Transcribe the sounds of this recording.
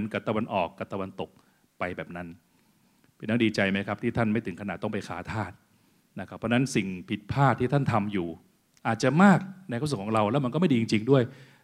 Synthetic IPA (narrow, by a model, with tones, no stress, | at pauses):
nka˨˩t̪a˧wa˧nʔɔː˨˩kːa˨˩p̚t̪a˧wa˧nt̪o˨˩k̚ | pa˧jbɛː˨˩p̚na˦˥n | pʰe˧˩nːa˥˩diː˧t͡ɕa˧jma˦˥jkʰa˦˥pt̪ʰiː˥˩t̪ʰa˥˩nma˥˩jt̪ʰɯ˩˦ŋkʰna˨˩t̪ːɔ˥˩ŋpa˧jkʰa̰ː˩˦t̪ʰaː˥˩t̪̚ | na˦˥kʰa˦˥pʰːɔ˧˥na˦˥nsi˨˩ŋpʰi˨˩t̪̚pʰaː˥˩t̪ʰːiː˥˩t̪ʰa˥˩nt̪ʰa˧mjuː˨˩ | ʔaː˨˩t̪̚t͡ɕa˨˩maː˥˩k̚na˧kːskʰːɔː˩˦ŋɾa˧wlɛ˦˥wma˧nkɔ˥˩ma˥˩jdiː˧t͡ɕi˧ŋt͡ɕi˧ŋdu˥˩əj